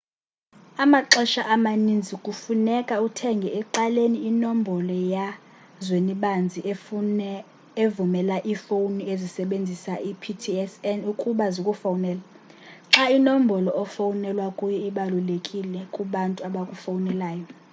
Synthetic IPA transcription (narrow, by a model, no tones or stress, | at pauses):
amaǁɔʃaʔamanind͡zʱikʼufunɛkʼautʰɛŋɡʱɛɛǃaleniːnombʱɔlɔja | zweniɓand͡zʱi | evumɛlaʔifowniezisɛɓend͡zʱisaʔipʰitʰiɛsɛnukʼuɓazikʼufawunɛːla | ǁainom̩bʱɔlɔʔɔfawunɛlwakʼujɔiɓalulekʼilɛkʼuɓantʼuaɓakʼufawunɛlaːjɔ